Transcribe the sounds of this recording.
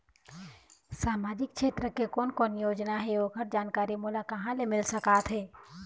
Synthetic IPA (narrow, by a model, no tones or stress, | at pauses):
saːmaːd͡ʒɪk̚ʃʰeːt̪ɾəkekoːnkoːnjoːd͡ʒnaɦɛoːɡʱəɾ̚d͡ʒaːnkaːɾimʊlakɐɦãlemɪlsɐkaːt̪ʰɦɛː